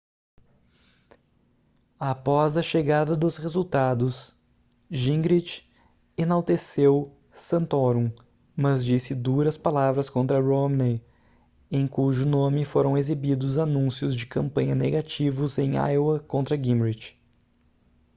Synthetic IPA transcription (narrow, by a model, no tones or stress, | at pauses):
apɔzɐʃeɡad̪ɐd̪ʊshezuwt̪ad̪ʊs | ʒĩɡɾit͡ʃ | ẽnawt̪esew | sɐ̃nt̪oɾũ | mɐzd͡ʒisɪd̪uɾɐspalavɾɐskõnt̪ɾɐɾomne | ẽj̃kuʒʊnõmɪfoɾɐ̃w̃ezibid̪ʊzanũsjʊzd͡ʒɪkɐ̃mpɐ̃ɲɐneɡat͡ʃivʊzẽj̃a̰jwɐkõnt̪ɾɐɡĩmɾid͡ʒ